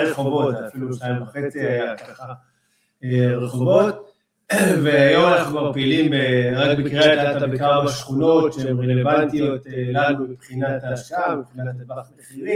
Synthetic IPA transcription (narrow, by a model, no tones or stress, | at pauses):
eχo̞vo̞tt̪zeafiluʃnajiɱvaχe̞t͡siajakaχa | ʁeχo̞vo̞t̪ | veajomanaχumaʁpilimbeʁakbikʁead̪at̪aabekamaʃχuno̞t̪ʃeemʁeleevant̪ijo̞t̪elanubepχinat̪aʃkaepχinant̪asbaχmeχili